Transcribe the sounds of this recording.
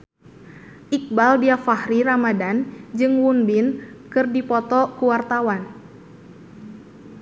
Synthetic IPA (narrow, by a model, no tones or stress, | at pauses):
ʔik̚baldiafahɾiramadand͡ʒɨŋwunbinkɨrdipɔt̪ɔkuwart̪awan